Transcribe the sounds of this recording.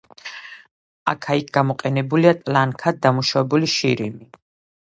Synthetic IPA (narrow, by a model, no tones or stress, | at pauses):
a̰kʰaik̚ʰɡ̥amɔqʼɛnɛbuliat̪ʼlaŋkʰad̪̚d̪amuʃavɛbuliʃiɾimi